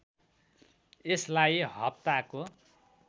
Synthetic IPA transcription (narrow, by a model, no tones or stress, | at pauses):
eslajɦʌpt̪ako